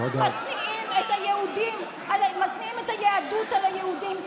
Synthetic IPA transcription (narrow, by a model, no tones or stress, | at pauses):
odmasniʔimethajehudim | almasniimethajeadutalhajehudim